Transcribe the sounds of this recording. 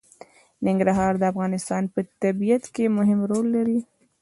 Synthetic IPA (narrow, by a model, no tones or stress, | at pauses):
nɪŋɡɾaɦɑɾd̪əafɣɑnɪst̪ɑnpət̪abijat̪kemʊɦɪmɾolːaɾi